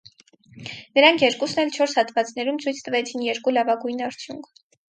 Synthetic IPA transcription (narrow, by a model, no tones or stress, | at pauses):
nəɾɑŋkʰjɛɾkusnɛlt͡ʃʰɔɾshɑt̪vɑt͡snɛɾumt͡sʰujt͡sʰt̪əvɛt͡sʰinjɛɾkulɑvɑɡujnɑɾt͡sʰjuŋkʰ